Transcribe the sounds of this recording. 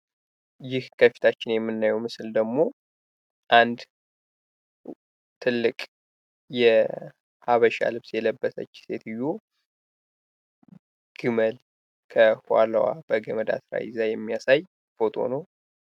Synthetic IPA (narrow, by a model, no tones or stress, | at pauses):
jɪhkʰəfi̥t̪ʰat͡ʃːɪnjɛmːɨnːajɛwmɨsɨld̪əɡmo̞ | ʔand̪ | t̪ʰɨlːɨkʼ | jɛ | haβəʃa̰lɨβsjɛləbːəsə̰t͡ʃːse̞t̪ʰɨjːu | ɡ̥ɨməl | kʰəhaləwa̰b̥əɡəməd̪a̰sɾa̰jɪ̰zajɛmːijasaj | bo̞t̪ʰʼo̞̰nəw